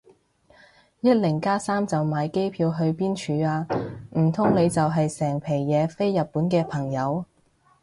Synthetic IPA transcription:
jɐ˥t̚lɪ˨˩ŋkaː˥saː˥mt͡sɐ˨wmaː˨˧jke˥jpʰiː˧wɦɵ˧ɥpiː˥nt͡ʃʰyː˨˧aː˧m̩˨˩t̪ʰʊ˥ŋle˨˧jt͡sɐ˨wɦɐ˨jsɛː˨˩ŋpʰe˨˩jjɛː˨˧fe˥jːɐ˨t̚pːuː˨˥nkɛː˧pʰɐ˨˩ŋjɐ˨˧w

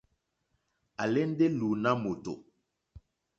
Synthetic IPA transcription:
a˨lɛ˦n˦de˦lu˨na˦mo˨to̰˨

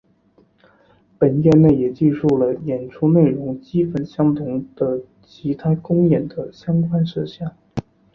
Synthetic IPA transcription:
pə˨˩njɛ˥˧nne˥˩ɪjɛ˨˩t͡ɕi˥˧ʂu˥˩lə˩jɛ˨˩nʈ͡ʂʰu˥ne˥˩ɪɻʊ˧˥ŋt͡ɕi˥fə˧˩nɕjɑ˥ŋt̪ʰʊ˧˥ŋd̪̥ə˧ | t͡ɕʰi˧˥t̪ʰa˥kʊ˥ŋjɛ˨˩nd̪ə˦ɕjɑ˥ŋkwa˥nʂ̩˥˧ɕja˥˩n

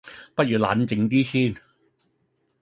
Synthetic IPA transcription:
pɐ˥t̚jyː˨la̰ː˨˥nt͡sɪ˨˧ŋt̪iː˥siː˥˩n

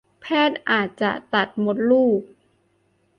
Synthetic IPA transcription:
pʰɛː˥˩t̪̚ʔaː˨˩t̪̚t͡ɕa̰˨˩ʔt̪a˨˩t̪̚mo˦˥t̪̚luː˥˩k̚

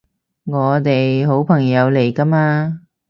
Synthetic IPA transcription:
ŋɔː˨˧t̪e˨jɦo˨˥wpʰɐ˨˩ŋjɐ˨˧wle˨˩jkɐ˥maː˧

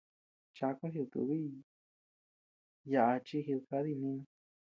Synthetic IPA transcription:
t͡ʃa˧kũ˦ɦu˧t̪ṵ˧βi˦ | ja˧˨ʔa˧t͡ʃi˧ɦi˧ka˧˦ði˦˧nĩ˦

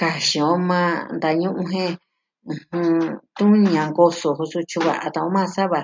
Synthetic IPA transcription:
ka˧ʃĩ˧˨õ˦mã˧nd̪a˧ɲũ˦ʔũ˧ɦẽ˦ | ũ˧hũ˧t̪ũ˦ɲã˨ŋɡo˧so˨ɦu˧su˧t͡ʃu˧βa̰˧˨ʔa˧t̪a˧õ˧˦mã˦˧sa˦βa˧

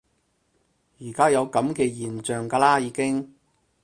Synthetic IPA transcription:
jiː˨˩kaː˥jɐ˨˧wkɐ˨˥mkɛː˧jiː˨˩nt͡ʃœː˨ŋkaː˧laː˥jiː˨˧kɪ˥ŋ

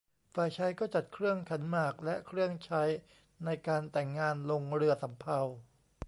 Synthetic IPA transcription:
faː˨˩jt͡ɕʰa˦˥jkɔː˥˩t͡ɕa˨˩t̪̚kʰɾɯ˥˩əŋkʰa˩˦nmaː˨˩k̚lɛ˦˥ʔkʰɾɯ˥˩əŋt͡ɕʰa˦˥j | na˧jkaː˧nt̪ɛ˨˩ŋːaː˧nlo˧ŋɾɯ˧ɐsa˩˦mpʰa˧w

